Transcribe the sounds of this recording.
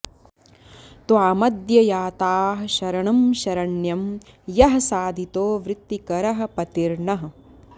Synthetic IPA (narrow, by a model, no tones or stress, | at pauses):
t̪waːmɐd̪jɐjaːt̪aːɦɐʃɐɾɐɳɐmʃɐɾɐɳjɐmjɐɦɐsaːd̪ʱit̪oːʋɾɪt̪ːikɐɾɐɦɐ̆pɐt̪iɾɳɐɦɐ